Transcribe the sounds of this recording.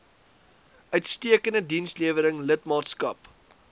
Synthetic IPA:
ʔœɥtstiəkəndədinsliəvəɾəŋlətmɑːtskɐp

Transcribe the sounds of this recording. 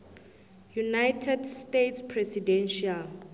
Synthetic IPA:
junajtʰɛdstetspʰrɛsidɛnʃial

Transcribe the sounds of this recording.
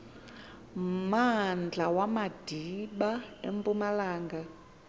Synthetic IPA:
mand͡ɮʱawamad̥ʱiɓaḛmpʼumalaːŋɡa

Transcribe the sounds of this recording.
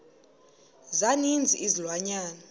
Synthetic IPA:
zanind͡zʱiizilwaɲaːnɔ

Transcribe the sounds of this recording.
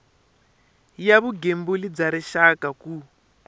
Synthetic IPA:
jaβuɡembulid͡zaɾiʃakaku

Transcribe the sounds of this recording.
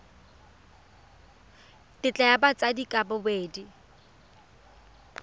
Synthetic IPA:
tʼɪt͡ɬʼɛjabat͡sʼadikʼabʊbeːdi

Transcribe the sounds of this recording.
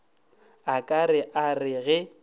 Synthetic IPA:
akʼarɪʔarɪɣɛ

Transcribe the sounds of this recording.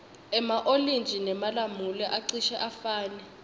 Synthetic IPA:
ɛmaʔolint͡ʃʼinɛmalamulɛʔaǀiʃɛʔafaːnɛ

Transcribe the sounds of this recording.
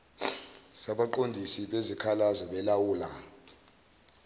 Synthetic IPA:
saɓaǃondʱisiɓezikʰalazɔɓɛlawuːla̰

